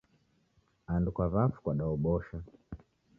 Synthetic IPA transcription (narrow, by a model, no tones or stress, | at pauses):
andukwavafu̥kwaɗaɔɓɔʃa